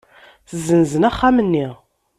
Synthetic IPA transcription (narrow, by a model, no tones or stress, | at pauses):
θəzənzənæχːæmənːi